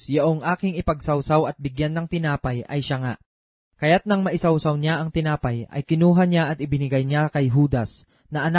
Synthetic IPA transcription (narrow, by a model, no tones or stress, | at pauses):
jɐʔoŋʔaːkɪŋɪpɐɡ̚sɐwsawɐt̪̚bɪɡjanːɐŋt̪ɪnaːpɐjʔɐ̰jʃaŋa | kɐjat̪̚nɐŋmɐʔɪsɐwsawɲaʔɐŋt̪ɪnaːpɐjʔɐ̰jkɪnuːɦaɲjaʔɐt̪ʔɪbɪnɪɡajɲakɐjɦuːd̪ɐs | nɐʔɐna